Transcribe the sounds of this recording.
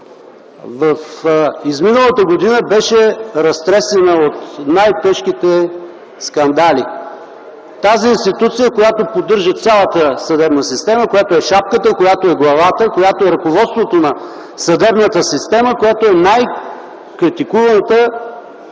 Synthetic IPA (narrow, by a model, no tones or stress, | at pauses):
vɐfizminəlˠət̪əɡod̪inəbɛʃɛɾɐst̪ɾɛsɛnəot̪najt̪ɛʃk̟it̪ɛ | skɐnd̪alʲḭ | t̪aziinst̪it̪ut̪sijəkojat̪opod̪ɤɾʒət̪sʲjalˠət̪əsɐd̪ɛbnəsist̪ɛməkojat̪oɛʃap̚kət̪əkojat̪oɛɡlˠɐvat̪əkojat̪oɛɾɐkovɔt̪st̪vot̪onɐ | sɐd̪ɛbnət̪əsist̪ɛməkojat̪oɛnaj | kɾit̪ikuvənt̪ə